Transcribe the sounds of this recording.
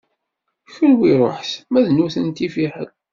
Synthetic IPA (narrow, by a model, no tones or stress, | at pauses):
çəɾwiɾˤo̰ħsmæðnuθənt̪ifiħəl